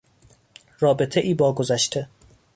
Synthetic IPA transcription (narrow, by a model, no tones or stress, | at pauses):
rɒːbe̞t̪ʰeʔiːbɒːɡozæʃt̪ʰe